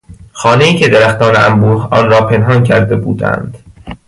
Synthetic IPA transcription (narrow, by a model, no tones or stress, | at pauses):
xɒːne̞iːcʰe̞d̪eɾæxt̪ɒːneæmbuːɾhɒːnɾɒːpʰe̞nɦɒncʰæɾd̪e̞bṵːd̪æ̰nd̪̥